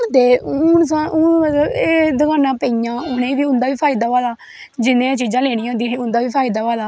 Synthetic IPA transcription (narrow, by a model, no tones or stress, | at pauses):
nd̪eːns̬ãːʔʊnmət̪ləbeːd̪əkaːnãːpəijãːʊnẽːʋiːʊ̃nd̪aːʋiːpʰaːid̪aːʋaːlaː | d͡ʒɪnẽːt͡ʃiːd͡ʒãːleːɽ̃ĩːõːnd̪ĩːĩʊnd̪aːʋiːpʰaːid̪aːʋaːlaː